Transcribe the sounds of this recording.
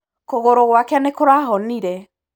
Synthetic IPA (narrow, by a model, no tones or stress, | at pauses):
koɣoɾoɣwakɛanekoɾaɦɔniɾɛ